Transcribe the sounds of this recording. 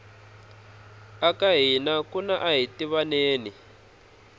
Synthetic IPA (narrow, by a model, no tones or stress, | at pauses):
akaɦinakunaʔaɦitiβaneːni